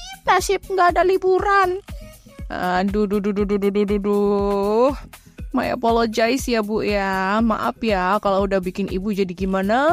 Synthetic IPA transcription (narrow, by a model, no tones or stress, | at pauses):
pasɪp̚ŋɡaːdalibuɾan̰ | dududududududududu | h | ma̰ja̰polod͡ʒaɪsjabujama̰ʔa̰pjakaloudahbikɪnḭbud͡ʒadiɡimana